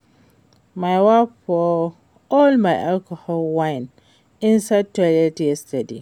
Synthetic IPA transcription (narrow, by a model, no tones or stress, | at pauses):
majwafɔ | ɔlmaɪʔalkɔhɔlwãɪn | ĩnsad̚talɛtɛstadi